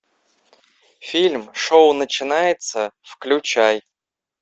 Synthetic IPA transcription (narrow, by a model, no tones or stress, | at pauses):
fʲilʲmʂoʊnət͡ɕɪnajɪt̪səfklʲʊt͡ɕaj